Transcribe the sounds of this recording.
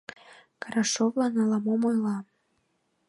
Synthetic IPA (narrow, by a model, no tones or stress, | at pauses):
kɑɾɑʃovlɑnɑlɑmomojlˠɑ